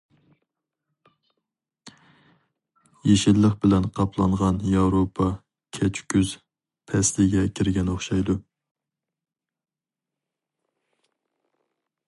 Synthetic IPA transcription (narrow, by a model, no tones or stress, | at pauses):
jeʃɪlːəχbɪlɛnqʰɑpʰlˠɑɴʁɑnjɑwɾopʰɑ | kʲʰɛt͡ʃʰkʲyz̥ | pʰɛslɪɡʲɛkʲʰiɾɡʲɛnoχʃɑjd̪u